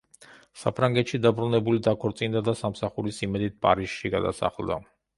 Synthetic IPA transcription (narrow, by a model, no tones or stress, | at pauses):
sa̰pʰɾaŋɡɛt̪ʃid̪abɾunɛbulid̪akʰɔɾt̪sʼind̪ad̪asamsaχuɾisimɛd̪it̪̚pʼa̰ɾiʃʃiɡa̰d̪a̰sa̰χlˠd̪a̰